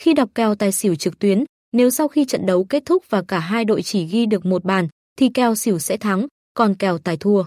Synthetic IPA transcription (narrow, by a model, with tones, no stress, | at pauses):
xi˧ɗa˨˩wk͡p̚kɛ˨˩wt̪aː˨˩jsi˧˩əwt͡ɕɨ˨˩k̚t̪wi˨˦ən | ne˨˦wsa˧wxi˧t͡ɕə̰˧˨nɗə˨˦wke˦˥t̚t̪ʰʊ˦˥k̚vaː˨˩kaː˧˩ɦaː˧jɗo̰˧˨jt͡ɕi˧˩ɣi˧ɗɨ˨˩ək̚mo˨˩t̚ɓaː˧˩n | t̪ʰi˨˩kɛ˨˩wsi˧˩əwsɛ̰˧˥t̪ʰa˨˦ŋ | kɔ˨˩nkɛ˨˩wt̪aː˨˩jt̪ʰu˧ə